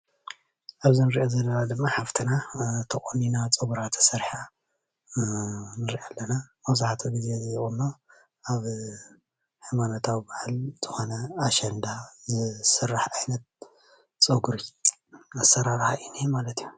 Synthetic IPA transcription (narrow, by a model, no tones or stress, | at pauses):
ʔaβzinɨɾiʔozɐlːɐnad̪ɨmːaħaft̪ʰɨnat̪ʰɐkʼominat͡sʼɐβuɾat̪ʰɐ̥sɐɾħa | nɨɾiʔalːɐnamɐzaħat̪ʰoɡizezjχʼunːo | aβ | ħimanot̪ʰawibaʕalz̥ɨxo̞nɐaʃɛnd̪azɨsɨrːaħajnɐt̪̚ | t͡sʼɐɡuɾi | asːɐɾaɾħaʔinimalɐt̪iju